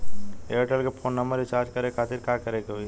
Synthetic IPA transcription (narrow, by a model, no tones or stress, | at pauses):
eʈəlkepʰoːnːɐmbəɾit͡ʃaːɾd͡ʒkɐɾekʰaːt̪ɪɾkakɐɾekeɦoi